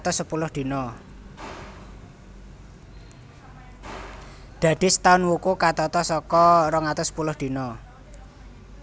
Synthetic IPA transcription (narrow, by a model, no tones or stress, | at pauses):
t̪ʊsːəpulʊhd̪̥i̤nɔ | d̪̥ä̤ɖ̪̥i̤sət̪aʊnwukukat̪ɔt̪ɔsɔkɔrɔŋat̪ʊsːə̥pulʊhd̪̥i̤nɔ